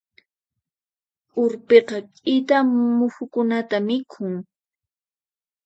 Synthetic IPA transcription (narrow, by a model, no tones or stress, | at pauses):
ʊɾpeqɑkʼɪt̪amʊxʊkʊnat̪amɪkʰʊŋ